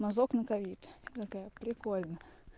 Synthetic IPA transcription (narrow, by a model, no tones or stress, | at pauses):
mɐzoknəkɐʋʲit̪t̪ɐkajəpɾʲɪkolʲnə